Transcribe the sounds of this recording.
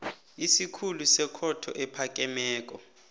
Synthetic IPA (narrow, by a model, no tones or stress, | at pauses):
isikʰulusɛkʰɔtʰɔ̰ʔɛpʰakʼɛmɛːk̬ʼɔ